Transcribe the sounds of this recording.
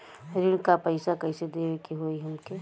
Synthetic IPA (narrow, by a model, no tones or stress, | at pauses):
ɾɪɽ̃kapɐɪsakɐɪsed̪ewekiɦoːiɦɐmke